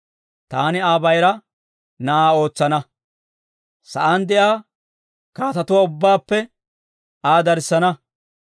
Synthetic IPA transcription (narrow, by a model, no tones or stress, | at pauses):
t̪aːnɪaːbɐjɾɐ | nɐaːo̞ːt͡sːɐnɐ | sɐʔand̪ɛʔjaː | kaːt̪ɐt̪ʊwaʊbːaːpːɛ | aːd̪ɐɾsːɐnɐ